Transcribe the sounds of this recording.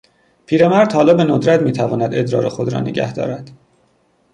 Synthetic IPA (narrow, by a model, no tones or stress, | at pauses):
pʰiːɾe̞mæɾd̪̥hɒːlɒːbe̞nod̪ɾæt̪miːt̪ʰævɒːnæd̪e̞d̪ɾɒːɾexod̪ɾɒ̰ːnḛɟæ̰hd̪ɒ̰ːɾæd̪̥